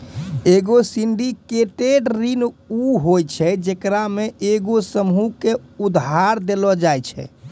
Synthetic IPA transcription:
eɡosiɳɖikeʈeɖɾinuɦojt͡ʃʰɛd͡ʒekɾameʔeɡosəmɦukeud̪ɦaɾd̪elɔd͡ʒajt͡ʃʰɛ̰

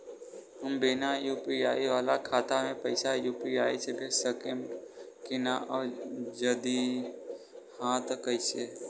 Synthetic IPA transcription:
ɦəmbɪnajuːpiaːiʋaːlakʰaːt̪amẽpəɪsajuːpiaːet͡ʃʰepʰɪɾsəkeɳɖkɪnaʔɔːɾd͡ʒəd̪i | hãːt̪kəɪseː

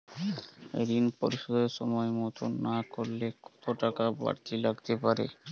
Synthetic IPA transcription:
ḛd̪inpoɾiʃɔd̪eɾʃɔmɔemɔt̪onːakoɾlekɔ̥t̪oʈakaba̰ɾt̪ilaɡt̪epaɾḛ

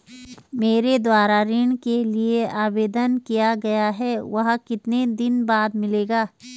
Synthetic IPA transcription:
meːɾed̪waːɾaɾɪɳkelieʔaːbeːd̪ənkijaɡɐjaɦɛʋɐɦkɪt̪ned̪ɪnbaːd̪mɪleːɡaː

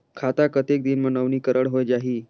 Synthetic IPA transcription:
kʰat̪akət̪ek̚d̪inmənəʋniːkəɾʔəɽɦojd͡ʑaɦiː

